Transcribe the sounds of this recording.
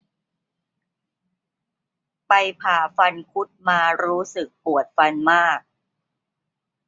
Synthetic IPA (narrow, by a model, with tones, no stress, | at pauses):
pa˧jpʰaː˨˩fa˧nkʰu˦˥t̪̚maː˧ɾuː˦˥sɯ˨˩k̚pu˨˩ət̪̚fa˧nmaː˥˩k̚